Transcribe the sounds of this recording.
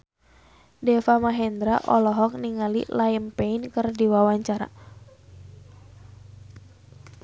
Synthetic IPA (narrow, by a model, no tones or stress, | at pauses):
dɛfamaɦɛnd̪ɾaʔɔlɔɦɔk̚niŋalḭlajəmpeinkɨrdiwawaɲt͡ʃaɾa̰